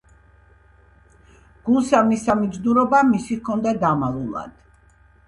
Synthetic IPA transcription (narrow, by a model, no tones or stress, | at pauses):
ɡ̥ulˠsavnisamid̪zd̪uɾɔbamisikʰɔnd̪ad̪amalˠulˠa̰d̪̥